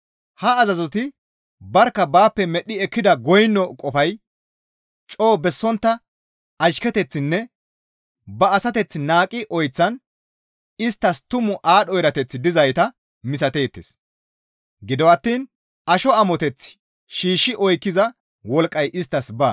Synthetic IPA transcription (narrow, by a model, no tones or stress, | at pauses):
hɐːzɐzɔt̪ɪ | bɐɾkːɐbaːpːɛmɛɗːɪɛkːɪd̪ɐɡɔjnːɔkʼɔfɐj | t͡ʃʼo̞ːbɛsːɔnt̪ːɐ | ɐʃkɛt̪ɛt͡sːɪnːɛ | bɐːsɐt̪ɛt͡sːɪnaːkʼːɪʔɔjt͡sːɐn | ɪst̪ːɐst̪ʊmʊʔaːɗɔjɾɐt̪ɛt͡sːɪd̪ɪzɐjt̪ɐ | mɪsɐt̪e̞ːt̪ːḛs | ɡɪd̪ɔwɐt̪ːiːn | ʔɐʃɔɐmɔt̪ɛt͡sː | ʃiːʃːɪʔɔjkːɪzɐ | wɔlkʼːɐjʔɪst̪ːɐsbaː